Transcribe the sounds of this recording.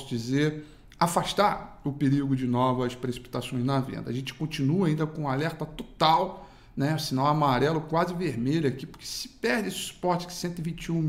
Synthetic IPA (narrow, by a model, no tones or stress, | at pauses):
sʊd͡ʒizeɾ | afaʃt̪aɾʊpeɾiwɡʊd͡ʒɪnɔvɐspɾesi̥pi̥t̪asõj̃znɐvḛ̃nd̪ɐːʒẽt͡ʃɪ̥kõt͡ʃĩnuɐaĩnd̪ɐkõalɛɾt̪ɐt̪ot̪aw | nɛsinãw̃amaɾɛlʊkwazɪveɾmeʎʊakipʊɾke̥sɪ̥pɛɾd͡ʒesɪ̥su̥pɔɾt͡ʃɪ̥kɪ̥sẽnt̪ʊɪvĩt͡ʃũ